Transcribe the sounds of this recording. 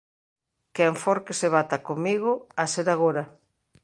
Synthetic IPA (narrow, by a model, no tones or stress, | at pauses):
kɛɱfɔɾkeseβat̪akomiɣ̞oaseɾaɣoɾa